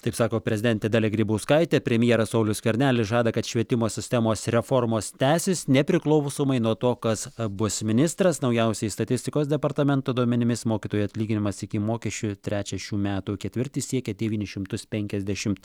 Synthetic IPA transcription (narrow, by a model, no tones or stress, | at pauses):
t̪ɐɪpsɑːkoːpʲɾʲɛzʲɪd̪ʲɛnʲt̪ʲed̪ɑːlʲeɡɾʲiːbɐʊskɐɪt̪ʲepʲɾʲɛmʲjiɛɾɐsɐʊlʲʊskɐɾʲnʲæːlʲɪsʒɑːd̪ɐkɐt̪ʃʲʋʲiɛt̪ʲɪmoːsʲɪsʲt̪ʲɛmoːsɾʲɛformoːst̪ʲæːsʲɪsnʲɛpʲɾʲɪklˠɒʊsoːmɐɪnuɔt̪oːkɐsbʊsmʲɪnʲɪst̪ɾɐsnɐʊjɛʊsʲɛɪst̪ɐt̪ʲɪsʲt̪ʲɪkoːs̬d̪ʲɛpɐrt̪ɑmʲɛnt̪oːd̪uɔmʲɛnʲɪmʲɪsmoːkʲiːt̪oːjɐt̪ʲlʲiːɡʲɪnʲɪmɐsɪkʲɪmoːkʲɛʃʲt͡ʃʲʊt̪ʲɾʲæːt͡ʃʲɛʃʲuːmʲæːt̪ukʲɛt̪ʲʋʲɪɾʲt̪ʲɪsʲiɛkʲɛd̪ʲɛʋʲiːnʲɪʃʲɪmt̪ʊspʲɛŋʲkʲɛzʲd̪ʲæʃʲɪmt̪